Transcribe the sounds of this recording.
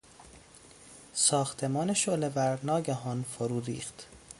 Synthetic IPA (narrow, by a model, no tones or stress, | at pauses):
sɒːxt̪ʰe̞mɒːneʃolebæɾnɒːɟæɦɒːnfoɾuːɾḭːxt̪